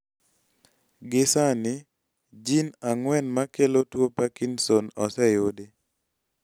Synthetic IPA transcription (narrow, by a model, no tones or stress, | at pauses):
ɡɪsanɪ | d͡ʒinaŋwɛnmakelotwopakinsonɔsɛjode